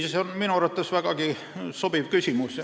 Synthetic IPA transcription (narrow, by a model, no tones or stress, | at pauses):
ɑseonminurɑt̪ːɑsʋækɑki | sob̥iʋkysʲimus